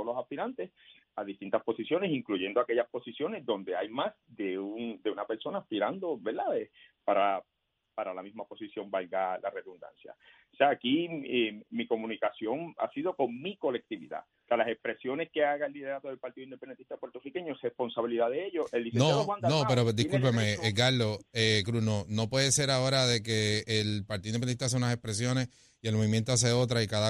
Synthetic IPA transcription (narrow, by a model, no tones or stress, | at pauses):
lo̞saspiɾant̪e̞s | aðist̪int̪aspo̞sisjo̞ne̞siŋkluʝe̞nd̪o̞ake̞ʝaspo̞sisjo̞ne̞zðo̞nd̪e̞ajmasd̪e̞und̪e̞unape̞ɾso̞naːspiɾand̪o̞βeɾðaepaɾa | paɾalamizmapo̞sisjo̞mbalɡalare̞ðund̪a̰nsja̰ | seaːkiemiko̞mũnikasjo̞ŋa̰siðo̞ko̞ŋmiko̞le̞k̚t̪iβḭða̰ | sealasespɾe̞sjo̞ne̞ske̞aɣaelːiðe̞ɾat̪oðelpaɾt̪iðoind̪epend̪ent̪i̥st̪apweɾt̪orike̞ɲoesrespo̞nsaβiliðaðeeʝoseld̪isenoand̪nopeɾo̞d̪iskulpemeɡaɾlo̞ekɾusno̞no̞pwe̞ðese̞ɾao̞ɾaðe̞ke̞ːlpaɾt̪iðinenit̪aas̬eunase̞spɾe̞s̬jo̞ne̞s | ie̞lmoβimje̞nt̪o̞as̬e̞o̞t̪̬ɾaikaða